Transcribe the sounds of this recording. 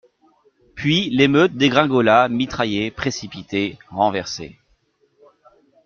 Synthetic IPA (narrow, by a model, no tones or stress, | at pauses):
pɥilemøt̪̚d̪eɡʁɛ̃ɡɔlamit̪χajepχesipit̪eʁɑ̃vɛʁsḛ